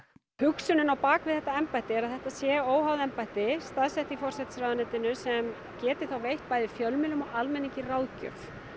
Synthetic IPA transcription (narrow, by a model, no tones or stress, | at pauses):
hʏksʏnʏnawpaːkvɪðθɛht̪aɛmpajt̪ɪɛɾaðθɛht̪aðsjɛːoːwhawðɛmpajht̪ɪst̪aðsɛht̪ifɔrsɛht̪sɾawðanɛt̪ɪnʏsɛm | cɛːt̪ɪθawvejht̪̚paːjðɪfjœlmɪlʏmɔɣalmɛniɲcɪrawðcœ̰f